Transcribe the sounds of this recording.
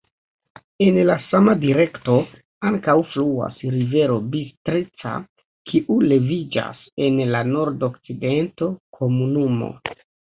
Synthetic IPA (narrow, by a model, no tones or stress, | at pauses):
e̞nlasamadiɾe̞kto̞ | aŋkawflua̰sɾive̞ɾo̞bistɾit͡sa̰ | kʰiʔule̞vid͡ʒa̰se̞nlano̞ɾdo̞kt͡side̞nto̞kʰo̞munumo̞̰